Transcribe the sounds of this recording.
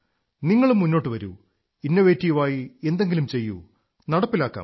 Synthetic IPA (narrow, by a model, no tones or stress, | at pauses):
niŋːɐɭumːunːo̞ːʈːɨʋɐɾṵ | inːɐʋeːtːijuʋaːjie̞nd̪e̞ŋɡilumt͡ɕe̞jːṵ | nɐɽɐpːilaːkːa̰ːm